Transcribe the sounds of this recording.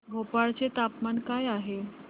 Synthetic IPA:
ɦopaɭt͡set̪apmankajaɦe

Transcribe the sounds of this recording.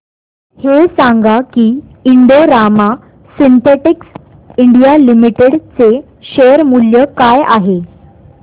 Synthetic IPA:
hesaŋɡakiː | iɳɖoɾama | sint̪eʈiks | iɳɖijalimiʈeɽt͡se | ɕejəɾmuljəkaja̰ɦe

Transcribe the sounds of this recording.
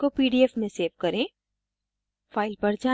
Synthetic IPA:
kopiːɖiɛfmẽseːʋkɐɾẽː | faːɪlpɐɾd͡ʒaː

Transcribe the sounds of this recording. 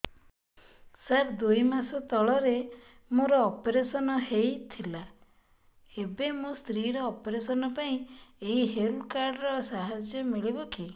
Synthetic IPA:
saɾd̪ujmasɔt̪ɔɭɔɾe | moɾɔːpeɾesɔnɔhejt̪ʰila | ebemũst̪ɾiɾɔːpɔɾesɔnɔpaĩeɦiɦelkaɾɖɾɔsaɦad͡ʒjɔmiɭibɔkʰi

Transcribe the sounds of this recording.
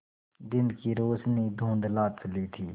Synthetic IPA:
d̪ɪnkiːɾoːsniːd̪ʱõːnd̪laːt̪səliːt̪ʰiː

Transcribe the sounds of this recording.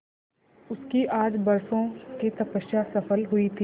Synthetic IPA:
ʊskiʔaːd͡ʒbɐɾsõket̪ɐpəʃjasɐfəlɦʊit̪ʰi

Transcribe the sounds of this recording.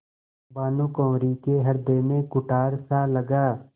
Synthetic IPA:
baːnũkɔ̃ːɾikeɦɐɾd̪eːmẽkʊʈaːɾsaləɡaː

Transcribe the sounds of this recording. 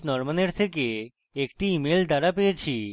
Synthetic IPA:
nɔɾmaneɾt̪ʰeke | ekʈiimeld̪aɾapejet͡ɕʰi

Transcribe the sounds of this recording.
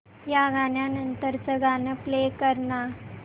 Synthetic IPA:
jaɡaɳjanənt̪əɾt͡səɡanəplekəɾna

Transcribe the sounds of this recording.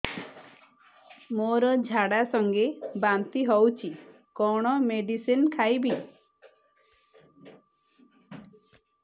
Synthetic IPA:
moɾɔd͡ʒʱaɽasɔŋɡebant̪iɦɔwt͡ʃʰi | kɔɽ̃ɔmeɖisinkʰajbi

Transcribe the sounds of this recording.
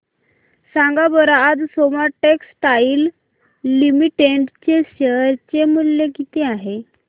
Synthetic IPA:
sãŋɡabəɾaːd͡zsomaʈeksʈailː | imiʈeɳʈt͡ɕeɕəɾt͡ɕemuljekit̪eaɦe

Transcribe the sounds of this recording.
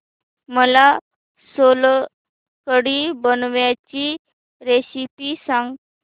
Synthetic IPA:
məla | sol | kəɽibənʋjat͡ɕi | ɾesipisãŋɡ

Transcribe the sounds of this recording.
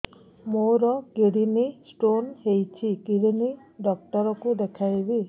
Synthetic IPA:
moɾɔkiɽinisʈonhejt͡ʃʰiɡiɽiniɖɔkʈɔɾɔkud̪ekʰajbi

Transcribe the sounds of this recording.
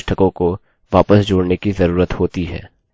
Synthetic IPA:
ʃʈʰəkõko | ʋaːpəsd͡ʒoːɽnekizɐɾuːɾət̪hoːt̪iɦɛ̰ː

